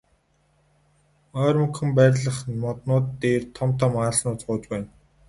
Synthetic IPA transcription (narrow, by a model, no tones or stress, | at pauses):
ɔːrmɵ̆kxɘ̆mpæːrʲɮə̆χmɔt̪nʊːt̪ːeːrt̪ʰɔmt̪ʰɔ̆maːɮnʊːt͡sɢʊːt͡ɕpæːn